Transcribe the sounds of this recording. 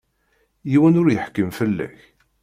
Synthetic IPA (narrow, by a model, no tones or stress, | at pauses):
jiwənʊɾjəħkːəmfəlːæ̰ç